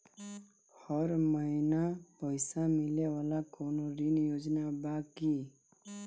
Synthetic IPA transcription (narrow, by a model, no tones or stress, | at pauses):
hɔɾməinapəjsamilewalakoːnoɾinjoːd͡ʒnabaːki